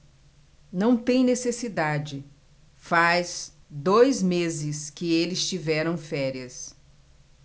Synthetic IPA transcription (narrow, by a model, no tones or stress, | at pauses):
nɐ̃w̃t̪ẽj̃nesesid̪ad͡ʒɪ | faz̥ | d̪ojzmezɪskɪelɪst͡ʃivɛɾɐ̃w̃fɛɾiɐs